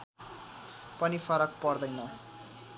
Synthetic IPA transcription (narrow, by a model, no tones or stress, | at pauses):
pʌnifʰʌɾʌk̚pʌrd̪ʌjnʌ